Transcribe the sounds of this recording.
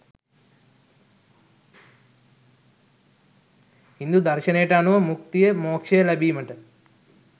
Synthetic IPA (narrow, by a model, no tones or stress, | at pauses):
ind̪ud̪ɐɾʃɐneːʈaːnuʋɐmukt̪ijemoːkʂejɐlɐbʱimɐʈɐ